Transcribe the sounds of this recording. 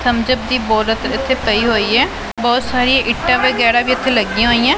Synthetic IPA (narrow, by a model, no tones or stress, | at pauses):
sʰəmd͡ʒəb̚d̪iːbɔːlət̪ɾɪt̪ʰːeːpəiːɦoːiːɛː | bɔːt̪saːɾijãːʔɪʈːãːʋəɡɛːɾaːbiːɪt̪ʰːeːləɡijãːɦoːiːãː